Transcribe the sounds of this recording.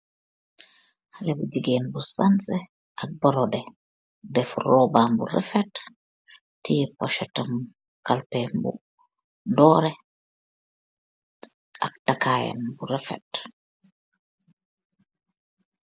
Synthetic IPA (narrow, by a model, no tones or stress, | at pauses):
halɛbuɟiɡeːnbusansɛ | ʔak̚bɔɾɔdɛ | dɛfrɔːbambṵɾɛ̰fɛtː | ijpɔʃɛtɐm | kalpɛmbṵ | dɔːɾɛ | a̰k̚takaːja̰mbuɾɛfɛ̰t